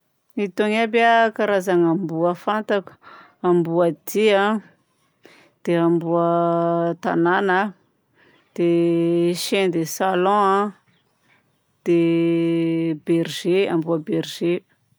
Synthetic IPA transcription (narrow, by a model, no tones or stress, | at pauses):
it̪oŋabakaɾazaŋambuəfant̪aku̥ | ambuəd̪iã | d̪̥eambuət̪a̰nanə | d̪̥eʃend̪esalɔ̃ã | d̪̥e | berʒea̰mbuaberʒe